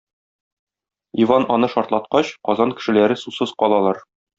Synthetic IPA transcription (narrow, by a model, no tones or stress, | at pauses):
ivɑnɒnɤʃɒɾt̪lˠɑt̪qɑɕqɒzɑnkɘ̥̆ʃɘ̆læɾɘsusɤzqɒlˠɑlˠɑɾ